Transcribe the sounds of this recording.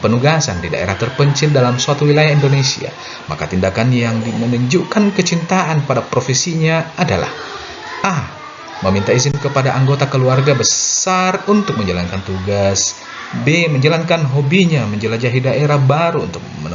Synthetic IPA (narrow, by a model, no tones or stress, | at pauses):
pənuɡasa̰ndida̰ʔḛɾaht̪ərpəɲt͡ʃɪldalamsuat̪uwilajahindonesḭa̰ | ma̰ka̰t̪indakanjaŋdimənuɲd͡ʒukankət͡ʃint̪aʔanpadapɾofesiɲaːda̰la̰h | ʔa | məmint̪aizɪmkəpadaʔaŋɡot̪akəluarɡabəsarunt̪ʊk̚məɲd͡ʒala̰nkant̪uɡas | beməɲd͡ʒalankanɦobiɲaməɲd͡ʒəlad͡ʒaɦidaʔeɾahbaɾuːnt̪ʊk̚mən